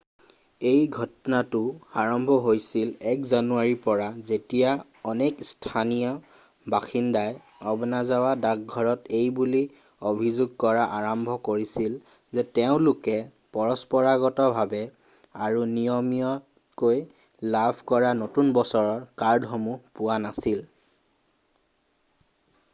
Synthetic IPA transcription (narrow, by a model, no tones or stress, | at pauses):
ejɡʱɔtɔnatʊaɹɔmbʱɔɦojsilɛkzanuaɹipɔɹazetija | ɔnekstʰanijɔ | baxindaj | ɔbɔnazawadak̚ɡʱɔɹɔtejbuli | obʱizoɡ̚kɔɹaʔaɹɔmbʱɔkoɹisil | zɛtɛʊ̃lʊkɛ | pɔɹɔspɔɹaɡɔtɔbʱabɛ | aɹunijɔmijɔ | koj | labʰʱkɔɹanotunbɔsɔɹɔɹkaɹdʱɔmupʊwanasil